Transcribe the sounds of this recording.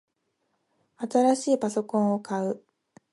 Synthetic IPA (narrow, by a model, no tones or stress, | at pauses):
at̪aɾaɕiːpaso̞kõ̞ɰ̃o̞kaɯ̟